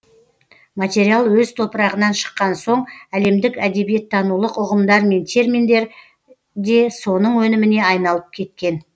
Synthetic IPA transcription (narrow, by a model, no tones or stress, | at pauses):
mat̪ʲe̞ɾijalˠwɵzt̪ʰo̞pəɾɑʁənɑnʃə̥qːɑnso̞ɴæle̞md̪ɪkæd̪e̞bije̞t̪ʰːɑnulˠəqʊʁəmd̪ɑɾme̞nt̪ʰe̞rmʲind̪e̞ɾ | d̪e̞so̞nəɴwɵnɪmɪne̞ɑjnɑlˠəp̚kʲʰe̞t̪kʲe̞n